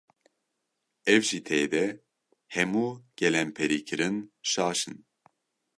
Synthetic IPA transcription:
ɛvʒit̪ʰɛːd̪ɛ | hɛmuːɡ̥ɛlɛmpʰɛɾiːkʰɨɾɨnʃaːʃɨn

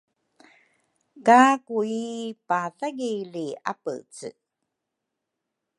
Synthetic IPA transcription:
kakuipaθaɡilia̰pə̰t͡sɨ̰

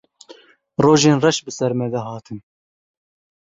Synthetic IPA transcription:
roːʒeːnrɛʃbɨsɛɾmɛd̪ɛɦɑːt̪ʰɨn

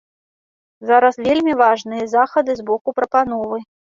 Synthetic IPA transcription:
zaɾɐsvʲelʲmʲivaʐnɨjɐzaxɐd̪ɨzbɔkupɾɐpan̪ɔvɨ

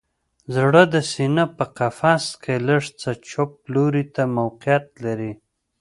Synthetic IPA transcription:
zɽəd̪əsinapəqafɑskʰeləʂt͡sat͡ʃop̚loɾit̪amawqjat̪̚laɾi

